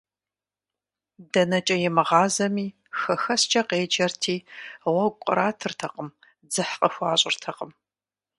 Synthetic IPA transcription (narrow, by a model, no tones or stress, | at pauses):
dɐnɐt͡ʃʼɐjɛmɨʁɑːzɐmiː | xɐxɐst͡ʃʼɐqeːd͡ʒɐrtʰiːwʷɐkʷʼʊ̰ɾaːtʰɨrtʰɐqəm | d͡zɨħqʼəxʷɑːɕʼɪrtʰɐqʼəm